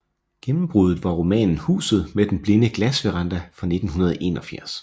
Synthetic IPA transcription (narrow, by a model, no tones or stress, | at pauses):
ɡ̥emm̩b̥ʁuð̞ˠð̩ˠʋɑ̈ʁomɛ̰ːnn̩hṵːsð̞̩ˠmed̥enb̥le̝nəɡ̥læsʋeʁɑ̈nd̥æfʁɑ̈ne̝d̥n̩hunɐð̞ˠʔe̝̰ːnɒ̽fjæɐs